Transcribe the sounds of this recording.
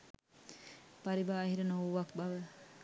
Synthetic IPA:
paɾibaːɦiɾənouʋak̚baʋə

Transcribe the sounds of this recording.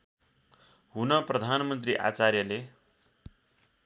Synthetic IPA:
ɦunʌprʌd̪ʱanmʌnt̪̬riʔa̰t͡sarjʌle

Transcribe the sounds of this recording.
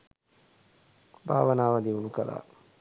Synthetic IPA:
bʱa̰ːʋɐnaːʋad̪iunukɐla̰ː

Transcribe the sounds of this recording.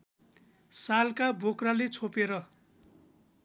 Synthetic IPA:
salkabʱokralet͡sʰopeɾʌ

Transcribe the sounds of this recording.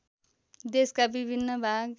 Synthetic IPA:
d̪eskabibʱinːʌbʱaɡ

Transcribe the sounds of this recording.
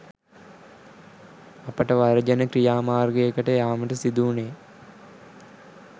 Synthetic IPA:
ɐpəʈɐʋɐɾɐd͡ʒɐnəkɾijaːmaːrɡəekəʈəjaːməʈɐsid̪uːneː

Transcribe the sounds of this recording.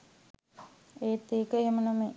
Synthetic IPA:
eːt̪ːiːkəɦemənɐme

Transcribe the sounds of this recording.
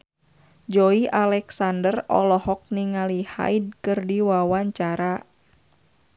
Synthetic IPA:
d͡ʒɔiʔalɛksandərɔ̰lɔhɔk̚niŋaliha̰id̚kɨrdiwawaɲt͡ʃaɾa

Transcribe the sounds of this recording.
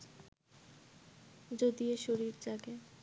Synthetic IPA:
d͡ʑod̪ioʃoɾiɾd͡ʑaɡe

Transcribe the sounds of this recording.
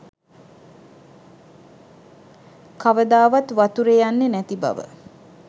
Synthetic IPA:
kaʋəd̪aːʋat̪ʋat̪uɾejanːenæt̪iba̰ʋə̰

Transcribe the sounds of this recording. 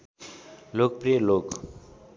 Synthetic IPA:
lok̚prijəlok

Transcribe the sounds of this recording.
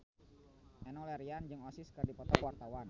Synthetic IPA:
ʔɛnɔlɛɾiand͡ʒɨŋɔsɪskɨrdipɔt̪ɔkwart̪awan

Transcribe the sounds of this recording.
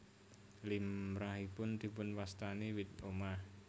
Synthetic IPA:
limɾaɦipʊnd̪i̤pʊnwast̪aniwit̪̚omah

